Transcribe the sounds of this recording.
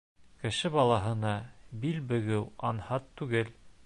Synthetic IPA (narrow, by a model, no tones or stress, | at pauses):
kɘ̆ʃɘbɑlˠɑɦɤ̆nɑbilbɘ̆ɡɘwɑnhɑt̪ːʉɡɘl